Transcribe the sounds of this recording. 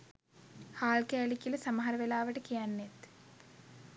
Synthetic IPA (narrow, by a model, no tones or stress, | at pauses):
haːlkæːlikilɐsamɐɦaɾəʋelaːʋəʈəkijanːet̪